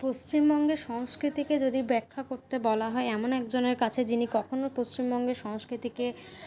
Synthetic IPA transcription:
post͡ɕimbɔŋɡeʃɔŋskɾit̪iked͡ʑod̪ibɛkʰːakoɾt̪ebɔlaɦɔeɛmonɛkd͡ʑoneɾkat͡ɕʰed͡ʑinikɔkʰonopost͡ɕimbɔŋɡeʃɔŋskɾit̪ike

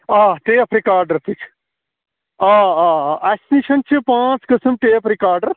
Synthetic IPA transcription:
aːʈeːɐpʰɾikaːɾɖəɾt̪it͡ʃʰ | ãːaːɛsniʃɐnt͡ʃɨpãːt͡skəsəmʈeːɐpʰɾikaːɾɖəɾ

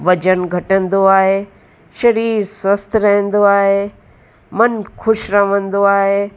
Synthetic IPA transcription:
ʋɐd͡ʑənɡʱɐʈə̃nd̪oaːɦeː | ʃɐɾiːɾswɐst̪ʰɾɐɦə̃nd̪oaːɦeː | mɐnxʰʊʃɾɐʋə̃nd̪oaːɦeː

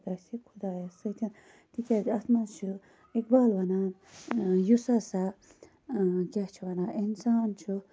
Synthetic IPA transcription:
d̪asikʰud̪aːjɐsɨt̪ʰin | t̪ʰikʲadɐsmat͡ʃʰu | ikbaːlʋɐnaːn | jusasa | kʲat͡ʃʰuʋɐnaːinsaːnt͡ʃʰu

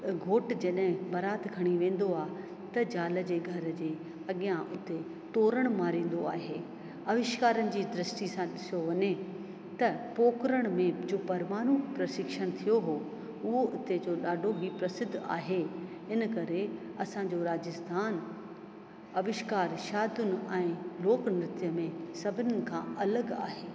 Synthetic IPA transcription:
ɡʱoːʈd͡ʑɐɗɦɪ̃bɐɾaːt̪ʰɡʱɐɽ̃iʋẽːn̆d̪oaːɦ | t̪ɐd͡ʑaːlə̆d͡ʑeːɡʱɐɾd͡ʑeː | ɐɠijãʔʊt̪e | t̪oːɾəɽ̃maːɾĩːn̆d̪oaːɦeː | ɐʋɪʃkaːɾənɪ̆d͡ʑiːd̪ɾəsʈisãɗɪsijoʋɐɲe | t̪ɐpoːkɾəɽ̃mẽd͡ʑoːpɐɾmaːɽ̃upɾɐʃɪkʃəɽ̃t̪ʰijoɦoː | ʊɦoʔʊt̪ed͡ʑoɗaːɖʱobʱipɾɐsɪd̪ʱːa̰ːɦe | ɪnkɐɾeɐsãɲd͡ʑoɾaːd͡ʑəst̪ʰaːn | ɐʋɪʃkaːɾʃaːd̪ʱʊnɪ̆ɛ̃ːloːknɾɪt̪jəmẽsɐbʱɪnɪnɪ̆kʰã̰ɐləɡa̰ːɦeː

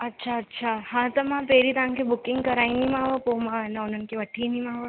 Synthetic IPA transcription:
ɐtːʃʰaɐtːʃʰahãt̪əmãpeːɾit̪ɐãŋkebʊkɪ̃ŋɡkɐɾaːinimãːʋəpomãenaʊnənkeʋəʈʰinimãːʋə

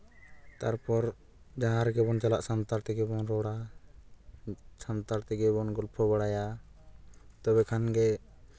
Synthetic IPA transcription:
t̪aɾpɔɾ | d͡ʒaɦãɾɛɡɛbɔnt͡ʃalaʔsant̪aɾt̪ɛɡɛbɔnɾɔɽa | sant̪aɾt̪ɛɡɛbɔnɡɔlpʰɔbaɽaja | t̪ɔβɛkʰanɡɛ

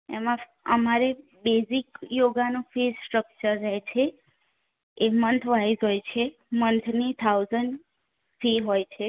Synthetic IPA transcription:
ḛmã | əmaɾe | bezikjoɡanũfessʈɾək̚t͡ʃəɾd͡ʒajt͡ʃʰe | emənt̪ʰʋaid͡ʒojt͡ʃʰe | mənt̪ʰnit̪ʰauzəɳɖ | fiɦojt͡ʃʰe

